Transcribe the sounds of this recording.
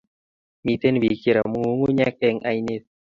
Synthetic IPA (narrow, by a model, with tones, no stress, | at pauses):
mi˨t̪e˦n˦bi˨ke˨ɾa˨mu˨˦ŋu˦ɲɛ˦kɛ˦ŋa˦jne˦t̪